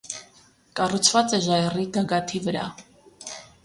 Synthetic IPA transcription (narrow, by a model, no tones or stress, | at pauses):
kʼɑrut͡sʰvɑt͡sʼɛʒɑɛrid̪ɑɡɑt̪ʰivəɾɑ̰